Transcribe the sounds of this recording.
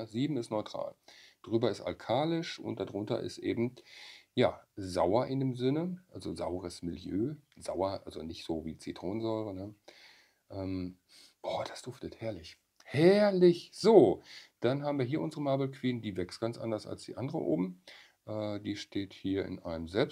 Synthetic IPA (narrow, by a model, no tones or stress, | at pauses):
ziːbm̩ɪstnɔʏtʁ̥a̰ːld̥ʁyːbɐɪsta̰lkʰaːlɪʃʔʊ̰nt̚d̥adʁʊntɐ̰ʔɪ̰stʔeːbm̩jaːzaʊɐʔɪndeːmzɪnəʔalzoza̰ʊəʁəsmɪljøːzaʊɐʔa̰lzonɪçtz̥oːviːt͡sitʁ̥oːnənzɔʏʁənə | ʔɛːm | b̥ɔːd̥asd̥ʊftəthɛɐlɪç | hɛɐlɪçz̥oːd̥anɦaːbm̩viːɐɦiːɐʔʊnzəʁəmaːbl̩kʰv̥iːndiːvɛkst̚ɡ̥ant͡sʔa̰ndɐsa̰lsd̥ḭːʔandəʁə̰ʔo̰ːbm̩ | ʔɛːd̥iːʃteːthiːɐɪ̰nʔaɪnəmzɛlps